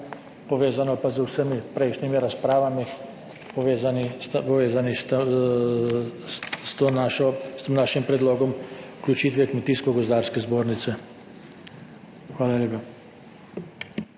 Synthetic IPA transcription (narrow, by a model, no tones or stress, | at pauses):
pɔʋeːzanɔpazəwsəmipɾɛjʃnimiɾaspɾaːʋami | pɔʋeːzanist̪pɔʋeːzanist̪ | st̪onaʃɔst̪emnaːʃimpɾɛd̪loːɡɔmuklʲut͡ʃiːt̪ʋɛkmɛt̪iːskɔɡɔzd̪aːɾskɛzboːɾnit̪sɛ | xʋaːlaleːpa